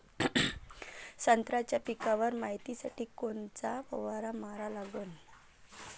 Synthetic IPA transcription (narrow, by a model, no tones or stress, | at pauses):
sənt̪ɾat͡ɕjapikaʋəɾmaɦit̪isaʈiːkont͡sapə̰ʋaɾamaɾalaɡoːn